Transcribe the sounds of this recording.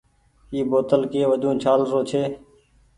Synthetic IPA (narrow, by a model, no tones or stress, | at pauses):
iːboːt̪əlkeːʋəd̪ʱũːt͡ʃʰaːlɾoːt͡ʃʰeː